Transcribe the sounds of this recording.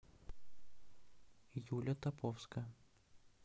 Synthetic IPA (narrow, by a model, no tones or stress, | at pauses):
ijulʲət̪ɐpofskə